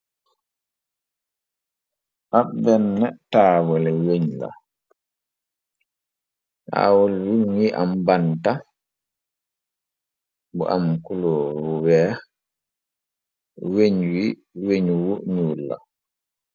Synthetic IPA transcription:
ʔabɛnːɛtaːwɔlɛweɲla̰ | a̰ːwɔlwunwiʔa̰mbanta | bɔ̰ʔamkuloɾuwɛ | weɲwi | weɲuwuɲuːlːa̰

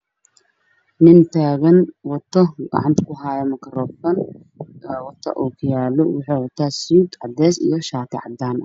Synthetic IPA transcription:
nɪnt̪ʰaːɣɐnwɔt̪ʰːɔɡɐ̰ʕɑ̰nt̪ɐ̥kʰʊɦaːjɛmɐkɐɾɔːfɐn | wɔt̪ʰːɐ̰ʔuːkʰʊjaːlɔwʊħiːwɔt̪ʰaːsuːd̪ʕɑ̰d̪ɛːsḭjɔʃaːt̪ʰɪ̰ʕɑ̰d̪aːn

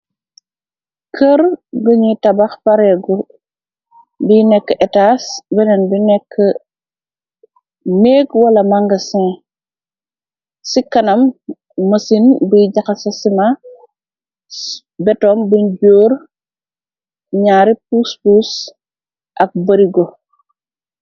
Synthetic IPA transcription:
kʰəɾɡəɲitɐbaxpɐɾɛɡɔ | binɛkːəʔɛtasbɛnɛnbinɛkʰːə | neːɡwɐlɐmɐŋɡɐsɛ̃ | sikɐnɐmː | ɐsinbiɟɐxɐsɐsima | bɛtɔːmbuɲɟoːɾ | ɲaːɾip̚uspus | ʔɐk̚bɐɾiɡɔ

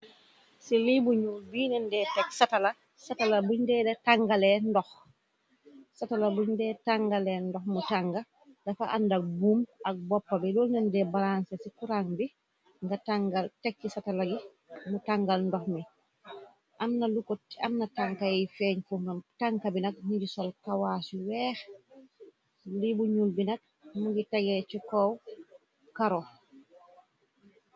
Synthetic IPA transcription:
silibuɲubiːnɛndɛtɛksatala | satalabuɲdɛdɛtaŋɡalɛndɔx | satalabuɲdɛːtaŋɡalɛndɔxmutaŋɡa | dɐfaʔandak̚buːmʔak̚bɔpːabilɔːlnɛndɛbalansesikuɾaŋbi | ŋɡataŋɡaltɛk̚ːisatalaɡi | mutaŋɡalndɔxmi | ʔamnalukɔamnataŋkajifɛːɲfuntaŋkabinak̚muɟisɔlkawaːsuwɛːx | libuɲulbinak̚ | muɡitaɡɛt͡ʃikɔw | kaɾɔ

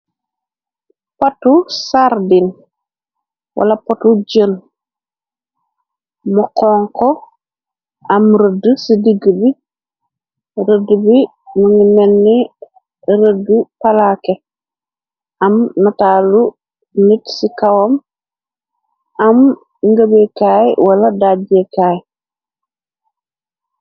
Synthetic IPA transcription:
patusaɾdin | wʔa̰lapatuɟən | mɔkɔːŋkɔ | amɾədəsidiɡəbi | ɾədubi | nuŋimenːi | ɾədupalake | amnataːlu | nitsikawom | am | ŋɡəbekaːjwalɐdaɟekaːj

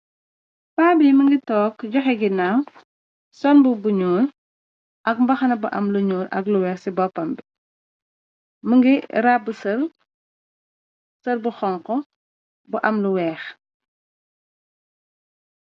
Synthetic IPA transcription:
paːbiməŋɡitɔːkɟɔxɛɡinam | sɔnbubuɲuːɾ | ʔɐk̚mbɐxɐnɐbuʔɐ̰mluɲuːɾɐ̰kluwɛːxsibɔpːɐmbi | məŋɡiɾabusɐr | sɐɾbuxɔŋkɔ | buʔɐmluwɛːx

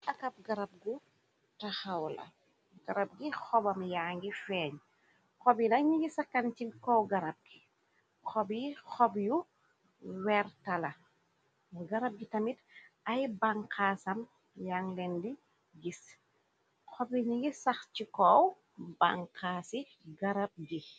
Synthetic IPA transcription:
ʔɐkɐp̚ɡɐɾɐb̚ɡu | tɐxɐwlɐ̰ | ɡ̥ɐɾɐb̚ɡixɔbɐmjaːŋɡifɛːɲ | xɔbinɐɲiɡisɐkːɐncikɔwɡɐɾɐb̚ɡ̥i | xɔbjixɔbju | wɛːrtɐlɐ | ɡɐɾɐb̚ɡitɐmitɐjbaŋkaːsɐm | jaːŋlɛndi | ɡis | xɔbjiɲiɡisɐxcikɔw | baŋkaːsi | ɡɐɾɐb̚ɡi

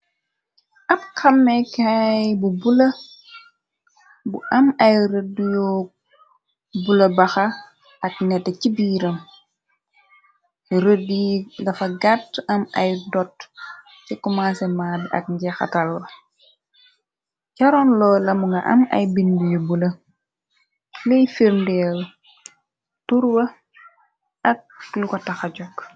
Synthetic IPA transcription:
ʔɐp̚xɐmːɛkajbubulɐ | buʔɐmɐjɾədujɔ | bulɐbɐxɐ | ɐk̚nɛtːɛcibiːɾɐm | ɾədidɐfɐɡatːɐmɐjdɔt | cikɔmasɛmaːdɐ̰k̚ɲɟɛxɐ̰tɐlwɐ | cɐɾɔnlɔːlɐmuŋɡɐ̰ʔɐ̰mɐ̰jbinbujubulɐ | lɛjfiɾndɛl | tuɾwɐ | ɐk̚lukɔtɐxɐɟɔk

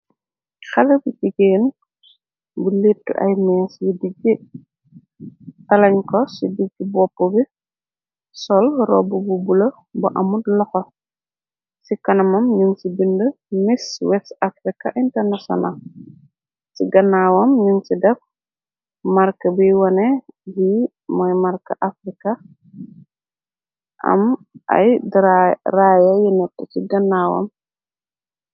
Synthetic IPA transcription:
xɐlɐbuciɡeːn | bulitːṵʔa̰jmɛsjidiɡi | tɐlɐɲkɔsidiɡːibɔpːobi | sɔlrɔbububulɐ | buʔɐmudlɐxɔ | sikɐnɐmɐmɲunsibində | miswɛstafɾika̰ʔintɛɾnasɔ̰nal | siɡɐnːawɐmɲunsidɛf | maɾkɐbijwɐnɛbi | mɔjmaɾkɐʔafɾika | ʔa̰m | ʔa̰jdrajajinɛtːəsiɡɐnːawɐ̰m

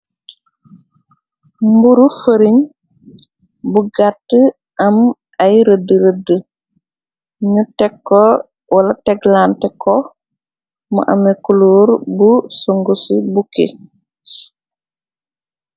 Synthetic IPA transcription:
mbuɾufəɾiɲ | buɡatːə | ʔɐm | ɐjɾədːəɾədə | ɲutɛkːɔ | wɐlɐtɛɡlantɛkɔ | mɐ̰ʔɐ̰mɛkuloːɾbusoŋɡusibukḛ

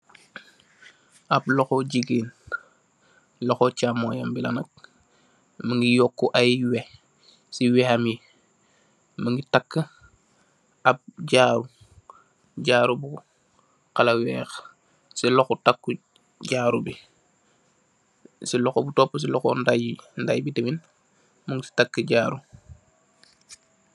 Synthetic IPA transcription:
ʔablɔxɔɟiɡiːn | lɔxɔcamojambilanɐk̚ | mɐŋɡijɔkːuʔajwɛ | siwɛhami | mɐŋɡitakːə | ʔap̚ɟaːɾu | ɟaːɾubu | kalɐwɛːx | silɔxutakːu | ɟaːɾubi | silɔxobutɔpːəs̬ilɔxɔndajindajibitəbin | mɐŋɡitakːəɟaːɾu

